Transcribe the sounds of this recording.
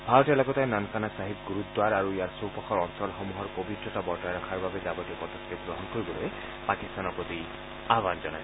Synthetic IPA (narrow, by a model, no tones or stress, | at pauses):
bʱalɔtɛlɔkɔt̪aẽnankanasaɦik̚ɡuɾut̪̚d̪waɹaɹuijaɹsowpɔkʰɔɹɔnsɔlxɔmuɦɔɹpobitɹɔtabɔɹtajɾakʰaɹbabezabɔtiɔpɔt̪ɔst̪ʰit̪̚ɡɹɔɦɔnkoɹibɔloje | pakist̪anɔpɔd̪i | aɦbanzɔna̰j